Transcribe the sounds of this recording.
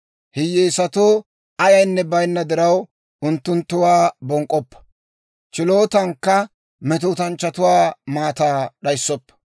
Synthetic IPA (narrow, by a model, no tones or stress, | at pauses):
hɪjːeːsɐt̪oː | ɐjɐjnːɛbɐjnːɐd̪ɪɾɐw | ʊnt̪ːʊnt̪ːʊwaːbɔŋkʼːɔpːɐ̥ | t͡ʃɪloːt̪ɐŋkːɐ | mɛt̪uːt̪ɐnt͡ʃːɐt̪ʊwaːmaːt̪aːɗɐjsːɔpːɐ̥